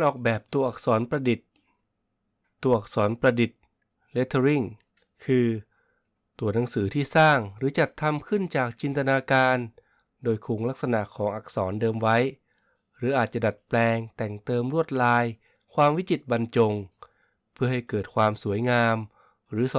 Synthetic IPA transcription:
nʔɔː˨˩k̚bɛː˨˩p̚t̪u˧ɐʔa˨˩k̚sɔː˩˦npɾa˧di˨˩t̪̚ | u˧˩ɐʔa˨˩k̚sɔː˩˦npɾa˧di˨˩t̪̚ | le˦˥t̪ʰːɾi˥˩ŋ | kʰɯː˧ | t̪u˧˩ɐna˩˦ŋsɯː˩˦t̪ʰiː˥˩saː˥˩ŋɾɯː˩˦t͡ɕa˨˩t̪ʰːa˧mkʰɯ˥˩nt͡ɕaː˨˩k̚t͡ɕi˧nt̪a˧naː˧kaː˧n | doː˧jkʰuː˨˩˦ŋla˦˥k̚sa˧na˨˩ʔkʰɔː˩˦ŋʔa˨˩k̚sɔː˩˦ndɤː˧mwa˦˥j | ɾɯː˩˦˥ʔaː˨˩t̪̚t͡ɕa˨˩da˨˩t̪̚plɛː˧ŋt̪ɛ˨˩ŋt̪ɤː˧mɾu˥˩ət̪̚laː˧j | kʰwaː˧mwi˦˥t͡ɕi˨˩t̪̚ba˧nt͡ɕo˧ŋ | pʰɯ˥˩ha˥˩jkɤː˨˩t̪̚kʰwaː˧msu˩˦əjŋaː˧m | ɾɯː˩˦s

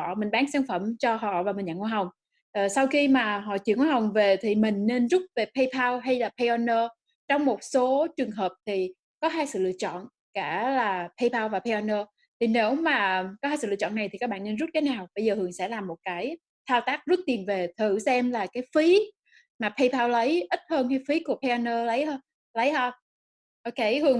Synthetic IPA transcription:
ɔ̰˧˨mï˨˩ŋ̟ɓaː˨˦nsaː˨˧˦nfə˧˩mt͡ɕɔ˧ɦɔ̰˧˨vaː˨˩mi˨˩ŋ̟ɲa̰˧˨ŋwɦa˨˩wŋ͡m | ʔːsa˧wxi˧maː˨˩ɦɔ̰˧˨t͡ɕi˧˨əŋo˧˩ɦa˨˩wŋ͡mve˨˩t̪ʰi˨˩mï˨˩ŋ̟ne˧nzʊ˦˥t̚ve˨˩pʰə˧jpʰaː˧wɦa˧jlaː˨˩pʰe˧jʔɔ˧nəː˧ | t͡ɕɔ˧wŋ͡mmo˨˩t̚so˨˦t͡ɕɨ˨˩əŋɦəː˨˩p̚t̪ʰi˨˩ | kɔ˨˦ɦaː˧jsɨ̰˧˨lɨ̰˧˨ət͡ɕɔ̰˧˨n | kaː˧˩laː˨˩pʰə˧jpʰaː˧wvaː˨˩pʰe˧ɔ˧nəː˧ | t̪ʰi˨˩ne˨˦wmaː˨˩kɔ˨˦haː˧jsɨ̰˧˨ɨ˧ə˨t͡ɕɔ̰˧˨nːa˨˩t̪ʰi˨˩kaː˦˥k̚ɓa̰ː˧˨ne˧nzu˦˥t̚kaː˨˦naː˨˩wɓə˧jzəː˨˩hɨ˨˩əŋsɛ̰˧˥laː˨˩mːo˨˩t̚kaː˨˦j | t̪ʰaː˧wt̪aː˦˥k̚zu˦˥t̚t̪i˨˩ənve˨˩t̪ʰɨ˧˩sɛ˧mlaː˨˩kaː˨˦jfi˨˦ | maː˨˩pʰə˧jpʰaː˧wlə˨˦jʔï˦˥t̚həː˧nha˧jfi˨˦ku˧˩əpʰe˧ʔɔ˧nəː˧lə˨˦jɦəː˧n | lə˨˦jhəː˧ | ʔo˧ke˨˧hɨ˨˩əŋ

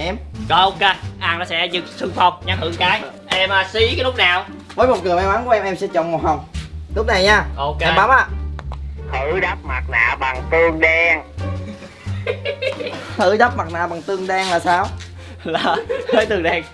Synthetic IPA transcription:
ʔɛ˧mkɔ˧ʔo˧ke˧ʔa˧nɔ˨˦sɛ̰˧˥zɨ˨˩k̚sɨ˧ŋfa˨˩wk͡p̚ɲa˨˦˥mhɨ̰˧˩˦kaː˨˦j | ʔɛ˧mʔaː˨˩si˧˦kaː˦lʊ˦˥k͡p̚naː˨˩w | vəː˨˦jmo˨˩t̚kɨ˨˩əmaː˧wʔaː˨˦ŋku˧˩˦ʔɛ˧mʔɛ˧msɛ̰˧˥t͡ɕɔ̰˧˨ŋ͡mmo˨˩t̚hə˨˩wŋ͡mlʊ˦˥k͡p̚na˨˩jɲaː˧ʔo˨˧kɛ˧mɓaː˨˦wmʔaː˧˨ | hɨ˧˩ɗa˦˥p̚ma˨˩t̚la̰ː˧˨ɓa˨˩ŋt̪ɨ˧əŋɗɛ˧ŋ | t̪ɨ̰˧˩ɗa˦˥p̚ma˨˩t̚na̰ː˨˩ɓa˨˩ŋt̪ɨ˧əŋɗɛ˧ŋlaː˨˩saː˧w | laː˨˩təː˨˦jt̪ɨ˧əŋɗɛ˧ŋ

